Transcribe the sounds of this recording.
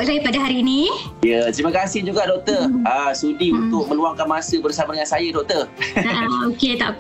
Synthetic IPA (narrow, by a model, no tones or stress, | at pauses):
ʔsajəpadaɦaɾiːnĩjət̪ɾiməkasɪhd͡ʒuɡaʔdɔk̚t̪ərəsudiunt̪ʊk̚mə̃luaŋkanmasəbərsamadəŋansajadɔk̚t̪ər | oket̪a̰ʔ